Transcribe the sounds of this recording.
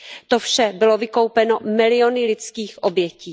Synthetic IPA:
t̪ofʃɛbɪlo̞vɪko̞wpɛnomɪlɪjo̞nɪlɪt͡skiːxʔobjɛciː

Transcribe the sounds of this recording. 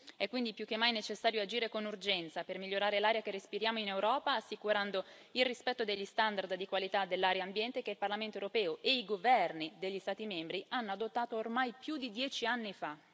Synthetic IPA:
ɛkːwind̪ipjuk̟ːemːajnet͡ʃesːaːɾjoad͡ʒiːɾekonurd͡ʒɛnt̪sapermiʎːoɾaːɾelaːɾjak̟erːespiɾjaːmoinewɾɔːpaːsːikuɾand̪o | ilrispɛt̪ːod̪eʎːist̪and̪ard̪d̪ikwalit̪ad̪ːelːaːɾjaːmbjɛnt̪ek̟eilparlament̪oewɾopɛːoʔeiɡovɛrnid̪eʎːist̪aːt̪imembɾianːoad̪ot̪ːaːt̪oːrmajpjud̪id̪jɛːt͡ʃianːifa

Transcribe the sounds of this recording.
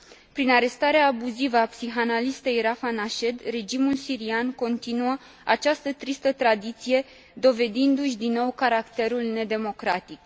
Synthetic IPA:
pɾinaɾe̞st̪aɾeaːbuzivəapsiɦanalist̪ejɾafanaʃe̞d̪re̞d͡ʒimulsiɾianko̞nt̪inuə | at͡ʃast̪ət̪ɾist̪ət̪ɾad̪it̪sije̞ | d̪o̞ve̞d̪ind̪uʃʲd̪inːo̞wkaɾakt̪e̞ɾulne̞d̪e̞mo̞kɾat̪ik

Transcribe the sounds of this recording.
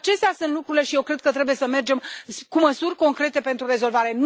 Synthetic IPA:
t͡ʃe̞st̪easunt̪lukɾuɾile̞ʃijewkɾe̞d̪̚kət̪ɾe̞bujesəme̞rd͡ʒe̞mkuməsurʲko̞ŋkɾe̞t̪e̞pe̞nt̪ɾurezo̞lvaɾe̞n

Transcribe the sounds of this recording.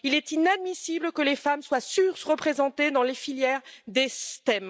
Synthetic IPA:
ilɛt̪inad̪misibləkəlefamswasyʁsʁəpχezɑ̃t̪ed̪ɑ̃lefiljɛʁd̪est̪ɛm

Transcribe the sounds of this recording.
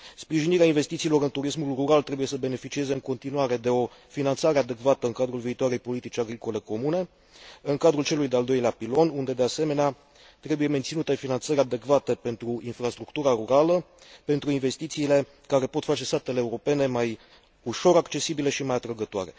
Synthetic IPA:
spɾiʒiniɾeainve̞st̪it̪siːlo̞ɾɨnt̪uɾismulruɾalt̪ɾe̞buje̞səbe̞ne̞fit͡ʃie̞ze̞ɨŋko̞nt̪inuaɾe̞d̪e̞o̞finant̪saɾead̪e̞kvat̪əɨŋkad̪ɾulviːt̪oaɾe̞jpo̞lit̪it͡ʃʲaɡɾiko̞le̞ko̞mune̞ | ɨŋkad̪ɾult͡ʃe̞lujd̪eald̪o̞jleapilo̞nund̪e̞d̪e̞ase̞me̞nea | t̪ɾe̞buje̞me̞nt̪sinut̪e̞finant̪səɾʲad̪e̞kvat̪e̞pe̞nt̪ɾuinfɾast̪ɾukt̪uɾaɾuɾalə | pe̞nt̪ɾuinve̞st̪it̪siːle̞ | kaɾe̞po̞t̪fat͡ʃe̞st̪at̪e̞leːuɾo̞pe̞ne̞maj | uʃo̞ɾakt͡ʃe̞sibileʃimajat̪ɾəɡət̪oa̰ɾe̞

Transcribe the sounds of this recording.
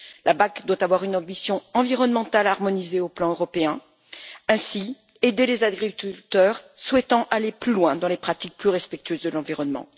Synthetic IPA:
lʔabakd̪wat̪avwaʁynɑ̃bisjɔ̃ɑ̃viʁɔnmɑ̃t̪alaːʁmɔnizeoplɑ̃øʁɔpeɛ̃ | ɛ̃si | ed̪elezaɡʁikʲylt̪œʁswɛt̪ɑ̃ʔaleplylwɛ̃d̪ɑ̃lepχat̪ik̚plyʁɛspɛk̚t̪yøzd̪əlɑ̃viʁɔnmɑ̰̃

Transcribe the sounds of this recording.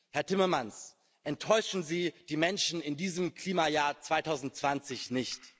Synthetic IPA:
hɛɐtɪmɐmans | ʔɛntʰːɔʏʃn̩ziːd̥iːmɛnʃn̩ɪndiːzəmkl̥iːmajaːɐt͡sv̥aɪtʰaʊzn̩tt͡sv̥ant͡sɪçnɪçt

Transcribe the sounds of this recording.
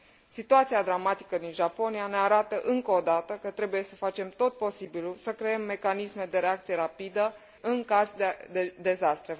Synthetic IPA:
sit̪uat̪siad̪ɾamat̪i̥kəd̪inʒapo̞niane̞aɾat̪əʔɨŋkəod̪at̪əkət̪ɾe̞buje̞səfat͡ʃe̞mt̪o̞t̪̚po̞sibilusəkɾe̞emːe̞kanisme̞d̪e̞ɾe̞ak̚t̪sijeɾapid̪ə | ɨŋkazd̪ed̪ed̪e̞zast̪ɾe̞

